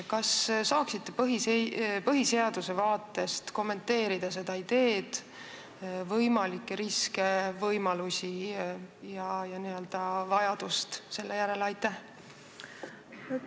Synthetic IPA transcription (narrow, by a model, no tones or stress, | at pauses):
kɑssɑːksit̪ːe̞pɤɦiepɤɦise̞ɑd̪̥use̞vɑːt̪ːˑe̞st̪ko̞mːe̞nt̪ːe̞ːɾid̪̥ɑs̬e̞d̪̥ɑid̪e̞ːd̪̥ | vɤjmɑlikˑːeɾiske̞vɤjmɑlusʲi | jɑjɑniø̞ld̪̥ɑvɑjɑd̪̥ust̪se̞lːe̞jæɾe̞lɑjt̪ːˑæh